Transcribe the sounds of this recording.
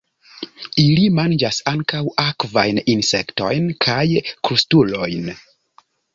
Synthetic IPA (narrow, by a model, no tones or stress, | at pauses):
ilimand͡ʒasaŋkawakva̰jninse̞kto̰jnkʰajkɾustulo̞jn